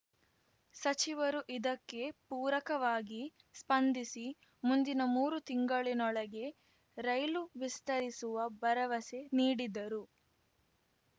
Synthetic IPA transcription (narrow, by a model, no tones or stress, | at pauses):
sɐt͡ʃiʋɐɾuʔid̪ɐkːe̞puːɾɐkɐʋaːɡi | spɐnd̪isi | mund̪inɐmuːɾut̪iŋɡɐɭinɔɭɐɡe̞ | ɾɐjluʋist̪ɐɾisuʋɐbɐɾɐʋɐseniːɽid̪ɐɾu